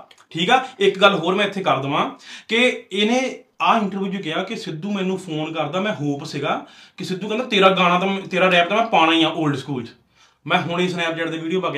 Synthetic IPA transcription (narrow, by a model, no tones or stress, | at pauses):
ʈʰiːkɛːɪkɡəlːɦoːɾmɛ̃ːɪt̪ʰːeːkəɾd̪əʋãːkɪɪːnẽːaːɪɳʈəɾʋjuːd͡ʒuːk̬ɪjaːkɪsɪd̪ːũːmɛ̃ːnũːpʰoːnkəɾd̪aːmɛ̃ːɦoːpsɪɡaːkɪsɪd̪ːuːkə̃nd̪aːt̪eːɾaːɡaːɽ̃ãːt̪at̪eːɾaːɾɛːp̚t̪aːmɛ̃ːpaːɽ̃aːiːãːʔoːlɖskuːld͡ʒ | mɛ̃ːɦʊɳesnɛːp̚d͡ʒɛːʈd̪eːʋiːɖijoːpaːk